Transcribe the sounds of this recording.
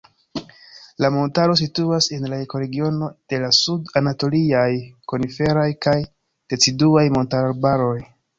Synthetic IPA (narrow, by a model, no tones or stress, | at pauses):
lamo̞ntaɾo̞s̬ituase̞nlaeko̞ɾe̞ɡio̞no̞d̥e̞lasudanato̞liajko̞nife̞ɾajkaj | d̥e̞t͡siduajmo̞ntaɾalbaɾo̞j